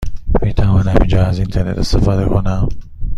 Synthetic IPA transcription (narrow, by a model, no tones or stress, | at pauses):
miːt̪ʰævɒːnhæmind͡ʒɒːæzint̪ʰeɾnet̪ʰest̪efɒːd̪ekʰonæm